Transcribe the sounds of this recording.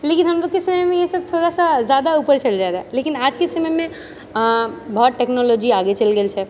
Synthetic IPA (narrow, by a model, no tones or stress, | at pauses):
lekinɦəmɾokesəməmẽjesəb̚t̪ʰoɾasazjaːd̪aupəɾt͡ʃəld͡ʒaed̪alekinad͡ʒkesəməmẽ | bɔɦːt̪̚ʈeknɔlɔːd͡ʒiaːɡet͡ʃəlɡelt͡ʃʰɛ